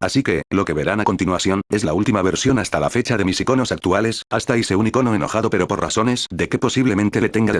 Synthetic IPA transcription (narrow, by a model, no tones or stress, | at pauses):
asike̞lo̞ke̞βe̞ɾanako̞nt̪inwaθjo̞ne̞zlault̪imaβ̞e̞ɾsjo̞nast̪alafe̞t͡ʃaðemisiko̞no̞sak̚t̪uale̞sast̪aiseuniko̞noeno̞̰xaðo̞pe̞ɾo̞po̞ɾra̰θo̞ne̞sðe̞ke̞po̞siβle̞mẽnt̪elet̪e̞ŋɡa